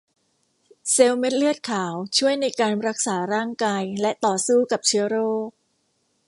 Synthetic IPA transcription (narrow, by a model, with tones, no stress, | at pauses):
se˧wme˦˥t̪̚lɯ˥˩ət̪̚kʰaː˩˦wt͡ɕʰu˥˩əjna˧jkaː˧nɾa˦˥k̚saː˩˦ɾaː˥˩ŋkaː˧jlɛ˦˥ʔt̪ɔː˨˩suː˥˩ka˨˩p̚t͡ɕʰɯ˦˥ɐɾoː˥˩k̚